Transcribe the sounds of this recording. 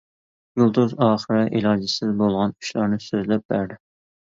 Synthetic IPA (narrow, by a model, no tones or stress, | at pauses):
julˠd̪uzɑːχəɾɨʔilˠɑːd͡ʒɪsɪzbolˠʁɑnuʃlˠɑɾnɨsøzlɛp̚bæɾd̪ɪ